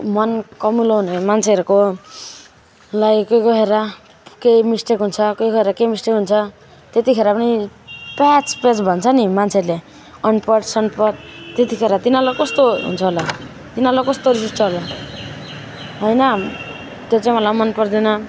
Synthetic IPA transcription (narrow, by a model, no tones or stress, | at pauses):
mʌnkʌmuloɦunʌmant͡sʰeʌɾuko | lajkʌjɡʌɦeɾʌ | kemisʈekɦunt͡sʰʌkojɡʌeɾʌkemisʈekɦunt͡sʰʌ | t̪et̪ikʰeɾʌpʌnipat͡spred͡zbʱʌnt͡sʰʌnimant͡sʰeʌɾle | ʌnpʌʈsʌnpʌd̪̚t̪et̪ikʰeɾʌt̪inalakʌst̪oɦṵnt͡sʰʌɦola | t̪inalakʌst̪oɾis̬ist͡sʰʌɦola | ɦʌjnʌ | t̪jot͡sãĩmʌlamʌnpʌrd̪inʌ